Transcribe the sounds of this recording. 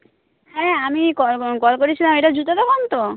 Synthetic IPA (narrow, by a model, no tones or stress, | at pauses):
hɛamikɔkɔlkoɾit͡ɕʰilameʈad͡ʑut̪at̪ɔkɔnt̪o